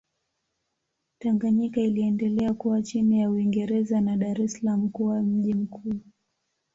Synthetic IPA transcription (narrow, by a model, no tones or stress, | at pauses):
taŋɡaɲikailiɛndɛlɛakuwat͡ʃinijauiŋɡɛɾɛzanaɗaɾɛsalam̩kuwam̩ʄim̩kʰuː